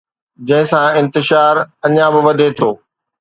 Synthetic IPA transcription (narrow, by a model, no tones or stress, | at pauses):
d͡ʑɐ̃ɦɪ̃sãɪ̃nt̪ɪʃaːɾɐɲãbɪʋɐd̪ʱet̪ʰoː